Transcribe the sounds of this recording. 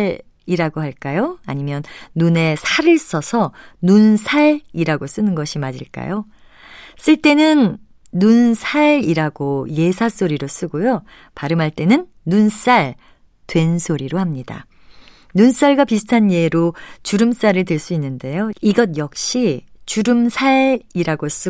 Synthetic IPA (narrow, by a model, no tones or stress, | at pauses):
ɭ | iɾaɡoɦaɭk͈ajoa̰ɲimjʌnːune̞sʰaɾɯɭs͈ʌsʰʌnunsʰaɭiɾaɡos͈ɯnɯnɡʌɕʰimad͡ʑḭɭk͈a̰jo | s͈ɯɭt͈e̞nɯnː | unsʰaɭiɾaɡoje̞sʰas͈oɾiɾos͈ɯɡojo | paɾɯmɦaɭt͈e̞nɯnːuns͈aɭ | twe̞nsʰoɾiɾohamɲida̰ | nuns͈aɭɡwapisʰɯ̥tʰanje̞ɾot͡ɕuɾɯms͈aɾɯɭt̬ɯɭs͈uinːɯnde̞joiɡʌd̚jʌk̚ɕ͈it͡ɕuɾɯmsʰaɭiɾaɡos͈ɯ